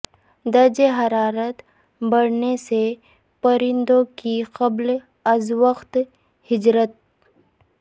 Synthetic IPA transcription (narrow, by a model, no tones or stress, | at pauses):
d̪ɐɾd͡ʒeɦɐɾaːɾət̪ | bɐɽnese | pɐɾɪ̃nd̪õkiqɐbl | ɐzʋəqt̪ | hɪd͡ʒɾət̪̚